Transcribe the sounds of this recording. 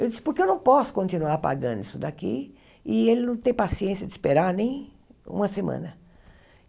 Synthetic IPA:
ewd͡ʒ̪isɪ̥poɾkɪewnɐ̃w̃pɔsʊ̥kõnt̪inuaɾpa̰ɡɐ̰̃nd̪ʊisʊd̪akḭ | ɪelɪnɐ̃w̃t̪ẽj̃pasiẽsijɐd̪ɪspeɾaɾnẽj̃ | ṵ̃mɐsemɐ̰̃nɐ

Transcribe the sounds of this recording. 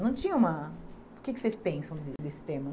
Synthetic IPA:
nɐ̃w̃t͡ʃĩɲɐũmɐpʊɾkɪkɪ̥sejspẽsɐ̃w̃d̪ɪd̪esɪ̥t̪ẽmɐ

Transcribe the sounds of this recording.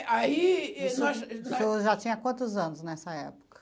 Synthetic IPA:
ʔaiɛnɔʃoʒat͡ʃĩɲɐkwɐ̃nt̪ʊzɐ̃nʊznɛsɐɛ̰pʊ̥kɐ̥

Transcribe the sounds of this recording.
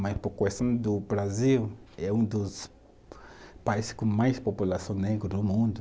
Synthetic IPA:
mɐspʊɾkest̪ɐ̃w̃d̪ʊbɾaziwɛũd̪ʊs | paizɪskʊ̃majspopulasɐ̃w̃neɡɾʊd̪ʊmũd̪ʊ

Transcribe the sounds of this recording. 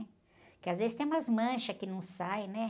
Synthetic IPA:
kɪazvezɪst̪ẽj̃umɐzmɐ̃ʃɐkɪnɐ̃w̃sajnɛ

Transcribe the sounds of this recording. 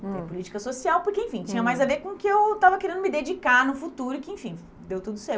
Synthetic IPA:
t̪ẽpʊlit͡ʃi̥kɐsosiawpʊɾkeẽfĩt͡ʃĩɲɐmajzaveɾkõkɪewt̪avɐkeɾẽnd̪ʊmɪd̪ed͡ʒikaɾnʊfut̪uɾʊɪkɪẽfĩj | d̪ewt̪ud̪ʊsɛɾ

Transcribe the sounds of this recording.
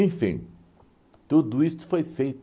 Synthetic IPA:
ẽfḭ̃ | t̪ud̪ʊist̪ʊ̥fojfejt̪

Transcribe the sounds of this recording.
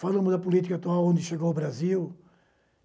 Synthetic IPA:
falˠɐmʊzd̪ɐpulit̪i̥kat̪ualˠõnd̪ɨʃeɣowβɾɐzilˠ

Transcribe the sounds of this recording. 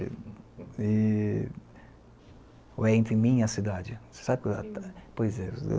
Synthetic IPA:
ɪ̰ | ɪ | ʊɛẽnt̪ɾɪmĩɐsid̪ad͡ʒɪse̥sabɪkɪapojzɛ̰

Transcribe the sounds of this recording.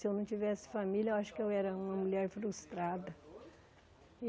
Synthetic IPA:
sɪewnɐ̃w̃t͡ʃivɛsɪ̥familjɐaʃʊ̥kɪewɛɾɐũmɐmuʎɛɾfɾust̪ɾad̪ɐ

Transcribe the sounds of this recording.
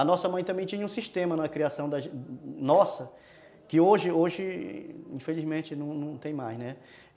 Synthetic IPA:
ɐnɔsɐmɐ̃j̃t̪ɐ̃mbẽj̃t͡ʃ̪ĩɲɐũsiʃt̪ẽmɐnɐkɾiasɐ̃w̃d̪ɐʒnɔsɐ | kɪoʒɪoʒɪĩfelizmẽt͡ʃɪnɐ̃w̃nɐ̃w̃t̪ẽj̃majznɛ

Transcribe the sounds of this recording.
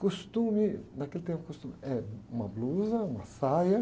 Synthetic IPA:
kost̪ũmɪnakelɪt̪ẽpʊkost̪ũmɪɛũmɐbluzɐũmɐsajɐ

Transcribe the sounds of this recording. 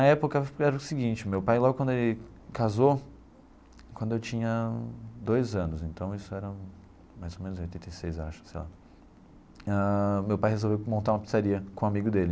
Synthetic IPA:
nɐɛpʊkɐɛɾɐʊsɪɡĩnt͡ʃɪʊmewpajlɔɡʊkwɐ̃nd̪ʊelɪkazo | kwɐ̃nd̪ʊewt͡ʃĩɲɐd̪ojzɐ̃nʊsẽnt̪ɐ̃w̃isʊɛɾɐ | majzowmẽnʊzẽojt̪ẽt̪ejsejza̰ʃɐ̥sejla | amewpajhezowvewmõnt̪aɾũmɐpi̥saɾiɐkõamiɡʊd̪elɪ

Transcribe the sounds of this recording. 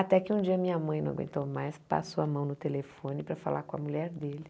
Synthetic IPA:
at̪ɛkɪũd͡ʒiɐmĩɲɐmɐ̃j̃nɐ̃w̃aɡwḛ̃nt̪owmajspa̰soɐmɐ̃w̃nʊt̪elefõnɪpɾɐfa̰la̰kõɐmuʎɛɾd̪elɪ

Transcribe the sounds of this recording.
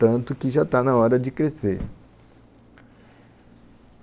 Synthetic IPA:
t̪ə̃nt̪ukiɕ̬at̪anãwaɾad͡ʒikɾese

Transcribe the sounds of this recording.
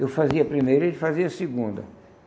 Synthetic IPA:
ewfaziɐpɾimejɾɐelɪfaziɐsiɡũnd̪ɐ̰

